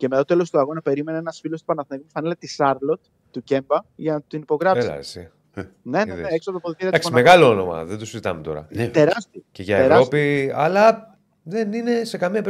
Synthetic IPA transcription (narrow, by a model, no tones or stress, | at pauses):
cemet̪ɐtoelost̪uɐɣo̞nɐpe̞ɾime̞neenɐsfilost̪u̥pɐnɐθneɣmufɐnelet̪isɐɾlo̞t̪ːuce̞mbɐʝɐnɐt̪inipo̞ɣɾɐfsɐ̰si | neneeeksopɾopoðitiɾiɐt̪ɐksonmeɣɐloonomɐ̰ðed̪osizit̪ɐ̰met̪o̞̰ɾɐ̰t̪e̞ɾɐst̪ioceʝɐeɾɐospiɐ̰lɐ | ðenine̞se̞kɐmiɐpe